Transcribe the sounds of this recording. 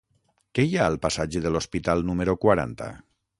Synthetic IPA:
kejaəlˠpasad͡ʒeðəlospit̪alˠnuməɾokwaɾa̰nt̪a̰

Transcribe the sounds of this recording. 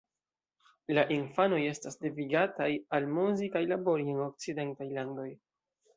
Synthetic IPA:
laʔinfano̞je̞stasdeviɡatajalmuzikajlabo̞ɾieno̞k̚t͡side̞ntajlando̞j

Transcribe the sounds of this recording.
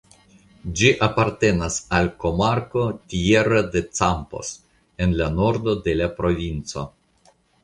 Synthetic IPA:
d͡ʒiʔapaɾte̞nasalko̞maɾko̞tʲie̞ɾad̪e̞t͡sampo̰s | enlano̞ɾd̪o̞d̪e̞lapɾo̞vʲint͡so̞̰

